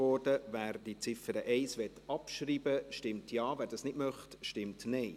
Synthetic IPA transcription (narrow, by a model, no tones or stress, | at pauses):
ɔɾdəvæːɾd̥it͡sɪfəɾəʔɛɪsʋɛtːɑpʃriːbəʃtɪmtʰjɑːvæːɾdɑːsnɪdmœχtʃtɪmtnɛɪ